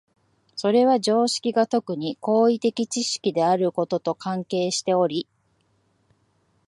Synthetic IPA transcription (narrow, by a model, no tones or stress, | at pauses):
so̞ɾe̞βaʑo̞ːɕi̥kʲiɡat̪o̞kɯ̟ɲ̟iko̞ːit̪e̞kʲit͡ɕiɕi̥kʲid̪e̞aɾɯ̟ko̞t̪o̞t̪o̞kãŋke̞ːɕi̥t̪e̞o̞ɾʲi